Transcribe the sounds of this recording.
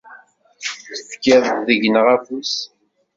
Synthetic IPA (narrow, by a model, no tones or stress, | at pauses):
θəfkæðˤt̪ðəʝnəʁæfus